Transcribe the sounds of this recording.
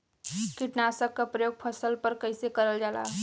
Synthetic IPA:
kiʈnasəkːəpɾəjoɡ̚pʰəsəlpəɾkəjsekəɾəld͡ʒala̰

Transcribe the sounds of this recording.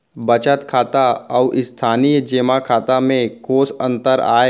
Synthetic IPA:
bət͡ʃət̪kʰaːt̪aɔʋʔɪst̪ʰaːnijd͡ʒeːmakʰaːt̪amẽkoːsə̃nt̪əɾa̰ːe

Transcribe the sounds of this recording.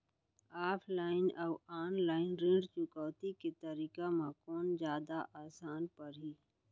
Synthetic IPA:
aːpʰlaːɪnaʊaːnlaːɪnɾẽɖt͡ʃʊkaːt̪iket̪əɾiːkamãkɔːnd͡ʒjaːd̪aʔaːsaːnpɐɾɦiː

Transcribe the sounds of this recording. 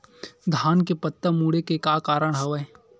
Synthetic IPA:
d̪ʱaːnkepət̪ːəmuːɽekekaːkaːɾəɽ̃ɦɐʋə

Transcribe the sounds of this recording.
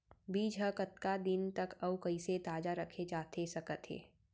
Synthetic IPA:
biːd͡ʒɦəkət̪kad̪ɪnt̪ɐkɐwkɐiset̪aːd͡ʒaɾɐkʰet͡ʃaːt̪ʰesɐkət̪ɦḛː

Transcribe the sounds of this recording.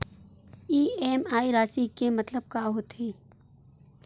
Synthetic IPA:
iːeːmaːiɾaːsikemɐt̪ləb̚kaːɦot̪eː

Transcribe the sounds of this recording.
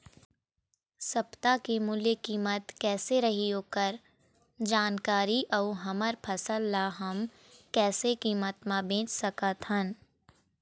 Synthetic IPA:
sɐpt̪akimʊlekiːmət̪kɛːseɾɐɦiɦoːkəɾ | d͡ʒaːnkaːɾiʔɐuɦɐməɾpʰɐsəlːaɦɐm | kɛːsekiːmət̪mãbẽːt͡ʃsɐkət̪hən

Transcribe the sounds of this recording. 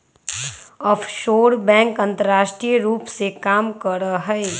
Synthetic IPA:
ɔːfʰʃoːɾbɛ̃ːŋkɐ̃nt̪əɾaːʃʈɾijɾuːpsekaːmkəɾəɦɛe

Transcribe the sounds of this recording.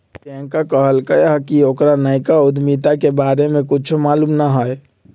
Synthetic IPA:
t̪ẽŋkakəɦəlkəjɦkiokɾanəɪkaud̪mit̪akebaɾemẽkut͡ʃʰomaːlumnaɦoj

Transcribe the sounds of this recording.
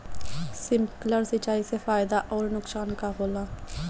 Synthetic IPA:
sɪmkləɾsɪt͡ʃaːisefaːɪd̪aʔɔːɾnʊksaːnkaɦoːlaː

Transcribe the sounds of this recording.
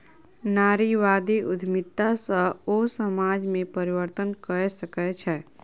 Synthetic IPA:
naːɾiʋaːd̪iʔʊd̪ʱmɪt̪ːasəosəmaːd͡ʒmẽpəɾɪʋəɾt̪ənkəɾsəkɛt͡ʃʰɛː

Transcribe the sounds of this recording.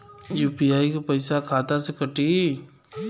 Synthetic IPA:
juːpiaːikopɐɪsakʰaːt̪asekəʈiː

